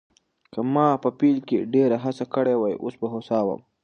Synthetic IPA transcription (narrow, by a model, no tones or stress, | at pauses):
kəmɑpəpilkeɖeɾaɦasakəɽewajʔo̰sbaɦosɑwə̰m